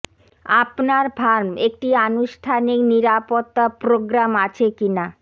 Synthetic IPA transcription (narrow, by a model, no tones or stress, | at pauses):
apnaɾbʱaɾmek̚ʈianuʃʈʰanikniɾapot̪ːapɾoɡɾamat͡ɕʰekina